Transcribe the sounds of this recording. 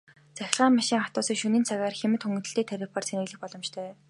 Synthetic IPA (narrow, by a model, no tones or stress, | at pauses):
t͡sæxʲɪ̆ɮʁaːmmaʃiːŋχat̪ʊːsiːkʃɵniːnt͡sʰaɣaːrxemɘ̆t̪xɵŋɡɵ̆t̪ɵ̆ɬt̪iːkt̪ʰæɾʲɪ̆păr̥t͡sʰenɘ̆ɣɮɘ̆x̚pɔɮɞ̆mt͡ɕt̪ʰœː